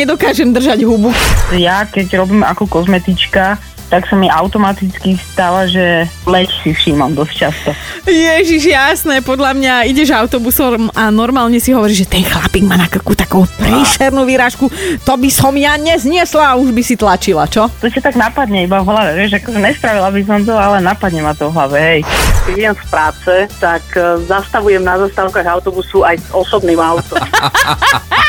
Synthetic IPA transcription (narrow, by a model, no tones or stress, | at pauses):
ɛd̪ɔkaːʒɛmd̪r̩ʒaɟɦubujakɛɟɾɔbiːma̰kɔkɔzmɛt̪it͡ʃka | t̪aksamiaʊt̪ɔmat̪it͡skist̪aʋaʒɛlɛcsifʃiːmamd̪ɔsct͡ʃast̪ɔjɛʒiʒjasnɛːpɔd̪ʎamɲaiɟɛʒaʊt̪ɔbusɔmanɔɾmaːlɲɛsiɦɔʋɔɾiːʒʒɛt̪ɛjxlapiɡmaːnakl̩kuːt̪akuːpɾiːʃɛɾnuːʋiɾaːʃkut̪ɔbisɔmjaɲɛzɲɪɛslaːuʒbisit̪lat͡ʃila̰t͡ʃɔt̪ɔcat̪aɡnapad̪ɲɛibaɦlaʋɛʋɛjʒakɔʒɛɲɛsp̪ɾaʋilabis̬ɔmt̪̬ɔalɛnapad̪ɲɛmat̪ɔvɔɦlaʋɛɦɛjkɛiɛmfpɾaːt͡sɛt̪akzast̪aʋujɛmnazaːst̪aːʊkaɣaʊt̪ɔbusuajzɔsɔbniːmaʊt̪ɔm